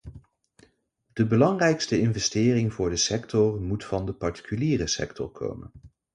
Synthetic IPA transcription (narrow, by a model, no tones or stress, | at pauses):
d̥əbəlɑŋrɛjkstəɪnvɛstɪːrɪŋvʊːɹdəsɛktɔɹmutfɑndəpɑɹti̥kyliːrəsɛ̰ktʰɔ̰ɹkʰo̰wmə̰n